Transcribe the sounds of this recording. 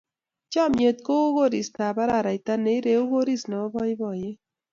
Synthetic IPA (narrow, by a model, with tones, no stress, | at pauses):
t͡ʃɔ˦˨mje˨t̪ko˦u˦ɣo˦ɾi˨st̪a˨ba˦ɾa˦˨ɾa˨jt̪a˦ne˨˦i˦ɾe˨u˦ɣo˦ɾi˦snɔ˨˦bɔ˦jbɔ˨je˦